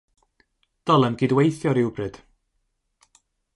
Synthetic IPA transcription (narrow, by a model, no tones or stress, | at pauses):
d̥ɔlˠənɡɪdwejθjɔɾɪwbrɨd̥